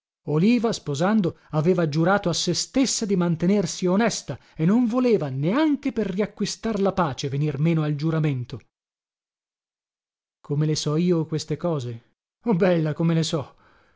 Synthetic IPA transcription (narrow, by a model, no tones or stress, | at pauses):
oliːvaspozand̪o | aveːvad͡ʒuɾaːt̪oasːest̪esːad̪imant̪enersionɛst̪a | enːoɱvoleːvaneaŋk̟eperriakːwist̪arlapaːt͡ʃevenirmeːnoald͡ʒuɾament̪o | kʰomelesɔiːokwest̪ekɔːze | ɔbɛlːakomelesɔ